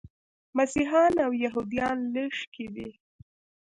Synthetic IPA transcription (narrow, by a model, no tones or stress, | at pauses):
masiɦɑnawjaɦud̪ijɑnləʃked̪i